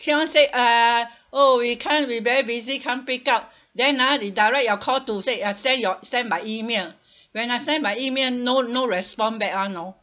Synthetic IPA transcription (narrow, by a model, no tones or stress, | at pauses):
kʰĩɔ̃nseʔa | owikʰãnwivɛɹibizikʰãnpikaʊt̚ | dɛ̃nadidajɹɛk̚jɔkʰɔltuseastɛ̃njɔstɛ̃nbaɪimel | wɛ̃nastɛ̃nbaɪimelnonoɹɛspɔ̃nbɛk̚anaʊ